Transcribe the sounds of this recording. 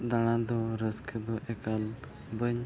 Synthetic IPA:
d̪al̃ãd̪ɔɾəskʰed̪ɔʔɛkal | bəɲ

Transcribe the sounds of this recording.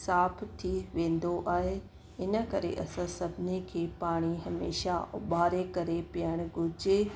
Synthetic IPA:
saːpʰt̪ʰiʋẽːn̆d̪oʔaːɦe | ɪnə̆kɐɾḛʔɐsãsɐbʱɪnekʰeːpaːɽ̃iɦɐmḛːʃaɓaːɾekɐɾepiəɽ̃ɡʱʊd͡ʑe

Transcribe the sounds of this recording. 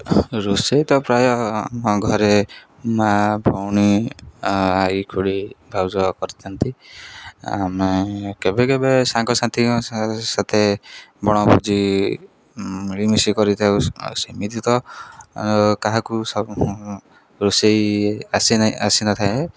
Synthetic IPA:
ɾusejt̪ɔpɾajɔa̰mɔɡʱɔɾe | mabʱɔwñi | aɾikʰuɽibʱawd͡ʒɔkɔɾit̪ʰant̪i | a̰mekebekebesaŋkɔsant̪ʰikɔsat̪ʰebɔɽ̃ɔbud͡ʒi | miɭimisikɔɾit̪ʰawsemit̪it̪ɔ | ɔkaɦakusɔ | ɾusejasiasinat̪ʰae

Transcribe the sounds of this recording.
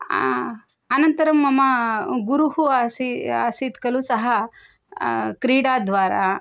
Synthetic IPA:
ɐnɐnt̪ɐɾɐmːɐmɐɡuɾuɦuasiaːsiːt̪kɐlusɐɦɐ | kɾiːɽaːd̪ʋaːɾa

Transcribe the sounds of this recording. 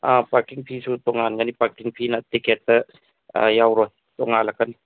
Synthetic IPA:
ʔapakiŋpʰisut̪ɔŋːaːnkanipakiŋpʰinat̪ikɛt̪ːa̰ | jawɾɔj | t̪ɔŋaːlakani

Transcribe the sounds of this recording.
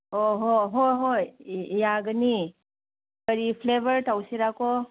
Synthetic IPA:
ɔɦɔɦojɦojjaɡɯni | kəɾipʰlebəɾtawsiɾakɔ

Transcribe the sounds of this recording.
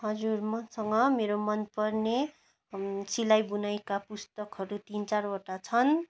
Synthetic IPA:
ɦʌd͡zurmʌnsʌŋɡʌmeɾomʌnpʌrne | silajbunajkapust̪ʌkɦʌɾut̪int͡sarʌʈat͡sʰʌn

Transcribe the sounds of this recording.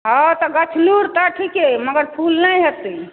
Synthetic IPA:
ɦɔt̪ɔɡət͡ʃʰluɾt̪ɔʈʰikeməɡəɾpʰulnajɦet̪i

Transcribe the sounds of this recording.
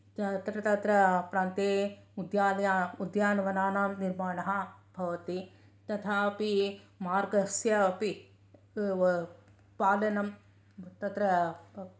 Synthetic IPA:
ɐt̪ɾɐt̪ɐt̪ɾɐpɾaːnt̪eːud̪jaːlɐjaːud̪jaːnɐʋɐnaːnaːmniɾmaːɳɐɦɐb̥ʱɐʋɐt̪i | t̪ɐt̪ʰaːpimaːɾɡɐsjɐpi | paːlɐnɐm | t̪ɐt̪ɾɐ

